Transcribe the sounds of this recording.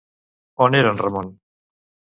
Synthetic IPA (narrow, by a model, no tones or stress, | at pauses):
oneɾanramon